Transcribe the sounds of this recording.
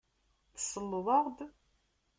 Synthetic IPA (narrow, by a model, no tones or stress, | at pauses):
θsəlːðˤɑʁd̪